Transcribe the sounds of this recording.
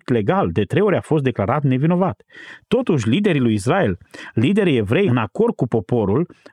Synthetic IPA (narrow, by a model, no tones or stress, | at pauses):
t̪le̞ɡald̪e̞t̪ɾe̞jo̞ɾʲafo̞st̪e̞klaɾat̪ne̞vino̞vat̪t̪o̞t̪uʃ̬ʲlid̪e̞ɾilujis̬rae̞lːid̪e̞ɾie̞vɾe̞jɨnako̞rd̪̚kupo̞po̞ɾul